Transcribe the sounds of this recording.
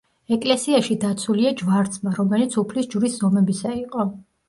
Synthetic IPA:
ɛkʼlɛsiaʃid̪at̪sʰuliad͡ʒvaɾt̪sʰʼmaɾɔmɛnit̪sʰupʰlisd͡ʒuɾiszɔmɛbisaiqʼɔ

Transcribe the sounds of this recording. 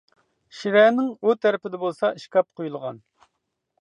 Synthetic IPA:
ʃiɾɛnɪŋut̪ʰæɾɪpɪd̪ɛbolˠsɑiʃkʲɑp̚qʰojulˠʁɑn

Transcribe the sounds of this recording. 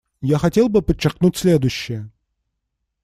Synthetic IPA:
jaxɐtʲe̞lˠbɨpət͡ɕːɪrknutʲsʲlʲe̞d̪ʊjɕːɪjə

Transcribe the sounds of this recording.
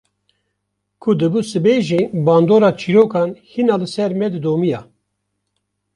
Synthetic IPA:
kʰud̪ɨbusɨbeːʒenbɑːnd̪oːɾɑːt͡ʃʰiɾoːkʰɑːnhinɑːlɨsɛɾmɛd̪ɨd̪oːmijɑː

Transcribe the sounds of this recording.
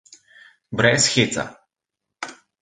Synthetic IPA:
bɾɛsxit̪sa̰

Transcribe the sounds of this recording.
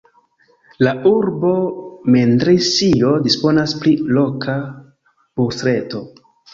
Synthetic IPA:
lauɾbo̞me̞ndɾisio̞dispo̞nasplilo̞kʰa | bustɾe̞to̞

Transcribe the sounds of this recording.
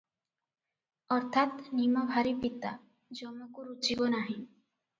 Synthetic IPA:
ɔɾt̪ʰat̪nimobʱaɾipit̪a̰ | d͡ʑɔmokuɾut͡ɕibonaɦĩ

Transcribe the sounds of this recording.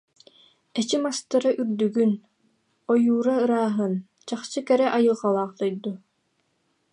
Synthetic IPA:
ɛt͡ɕimast̪ɯɾaʔyɾd̪yɡyn | ɔjuːɾaɯɾaːɦɯn | t͡ɕaχt͡ɕɯkɛɾɛʔajɯlˠʁalˠaːχt̪ɔjd̪u

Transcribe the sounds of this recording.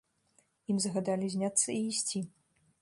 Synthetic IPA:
imzɐɣad̪alʲizʲnʲat̪sːɐiːsʲt͡sʲi

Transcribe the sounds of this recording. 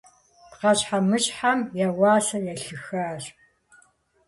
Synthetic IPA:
pqɐɕħamɨɕʼħamjɐwɑːsɐjɛɬɨxaːɕ

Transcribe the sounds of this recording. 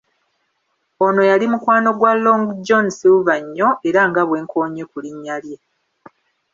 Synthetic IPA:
ono̞jalimukwaːno̞ɡwaloŋɡd͡ʒo̞nsivaɲːo̞ʔe̞ɾaŋɡaβwe̞ːŋkʰo̞ːɲe̞kuliɲːalje

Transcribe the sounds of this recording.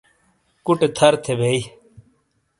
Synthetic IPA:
kʊʈet̪ʰəɾt̪ʰebʱeːi

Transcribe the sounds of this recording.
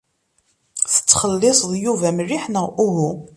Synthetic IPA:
θə̥t͡sːχəlːɪsˤðˤjuvæmriħnəʊɦu

